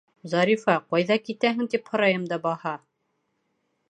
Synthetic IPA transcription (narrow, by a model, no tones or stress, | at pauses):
zɑɾʲifɑqɑjðɑkit̪æɦɘ̆ŋt̪iphŏɾɑjɤmd̪ɑbɑhɑ